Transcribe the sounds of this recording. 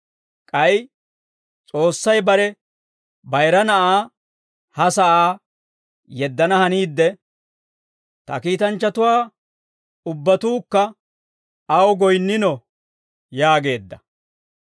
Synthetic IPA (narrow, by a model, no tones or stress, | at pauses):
kʼɐj | t͡sʼo̞ːsːɐjbɐɾɛ | bɐjɾɐnɐʔaː | hɐsɐʔaː | jɛd̪ːɐnɐhɐniːd̪ːɛ | t̪ɐ̰kiːt̪ɐnt͡ʃːɐt̪ʊwaː | ʊbːɐt̪uːkːɐ | ɐwɡɔjnːɪnɔ | jaːɡe̞ːd̪ːɐ